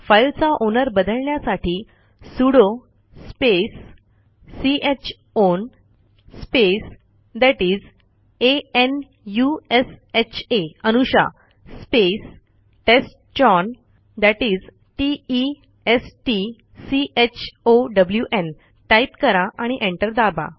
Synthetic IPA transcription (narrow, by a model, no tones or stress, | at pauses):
fajlt͡saʔonəɾbəd̪əɭɳjasaʈʰiː | suɽo | spesː | iet͡ɕ | on | spes | d̪æʈiːd͡z | een | jueset͡ɕʰeənuɕa̰ | spes | ʈesʈt͡ɕɔn | d̪æʈid͡z | ʈiː | esʈi | siʔet͡ɕʰoɖəbljuʔen | ʈajpkəɾaʔaɽ̃iʔẽɳʈəɾd̪aba̰